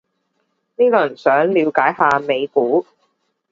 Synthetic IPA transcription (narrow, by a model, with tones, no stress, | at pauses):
niː˥kɔː˧jɐ˨˩nsœː˨˥ŋliː˨˧wkaː˨˥jɦaː˧me˨˧jkuː˨˥